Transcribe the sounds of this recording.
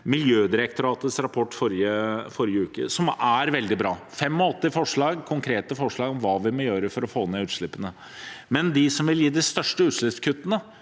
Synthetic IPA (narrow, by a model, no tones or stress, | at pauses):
mɪljøːd̪ɪɾək̚t̪ʊɾɑːt̪əsɾɑpʰɔʈːfɔɾɪəfɔɾɪəʉːkə̰sɔmæɾʋɛld̪ɪbɾɑːfɛmːɔɔt̪ːɪfɔʂɭɑːɡkʰʊŋkʰɾeːt̪əfɔʂɭɑːɡɔmʋɑːʋɪmɔjøːɾəfɔɾɔfoːnɛʉːt̪ʂɭɪpːənə | mɛnd̪ɪsɔmʋɪljiːd̪ɪst̪œʂʈəʉːt̪ʂɭɪpskʰʉt̪ːənə